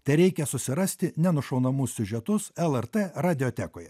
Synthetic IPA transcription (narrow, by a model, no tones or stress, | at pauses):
t̪ɐɪɾʲɛɪkʲɛsʊsʲɪɾɐsʲt̪ʲɪnʲɛnʊʃɒʊnɐmʊsʲsʲʊʒʲɛt̪ʊsɛlˠɛɾt̪eɾɑːd̪ʲɪoːt̪ʲæːkoːjɛ